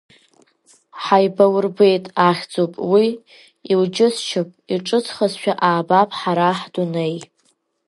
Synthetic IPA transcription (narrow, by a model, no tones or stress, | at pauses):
ħajbawrbe̞jtʼaχʲd͡zopʼwi | ild͡ʒɪst͡ʃʰɨpʼiʈ͡ʂʼɨt͡sʰχəzʃᶣaʔaːbapʼħaɾaħdunej